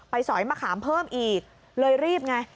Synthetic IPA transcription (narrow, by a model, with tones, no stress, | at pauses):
pa˧jsɔː˩˦jmaː˧kʰaː˩˦mpʰɤː˥˩mʔiː˨˩k̚ | lɤː˧jɾiː˥˩p̚ŋa˧˩